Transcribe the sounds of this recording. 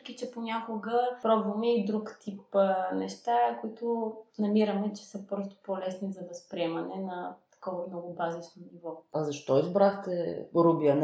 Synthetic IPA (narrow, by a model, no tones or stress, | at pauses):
k̟it͡ʃɛponʲakʊɡəpɾɔbvɐmɛid̪ɾukt̪ʰipnɛʃt̪akoit̪ʊnɐmiɾɐmɛt͡ʃɛ̥səpɾɔst̪o̥polɛsnizɐvɐspɾiɛmɐnɛnɐt̪ɐ̥kɔvɐmnɔɡʊbazit͡ʃnonivɔɐzɐʃt̪ɔizbɾaxt̪ɛɾubiən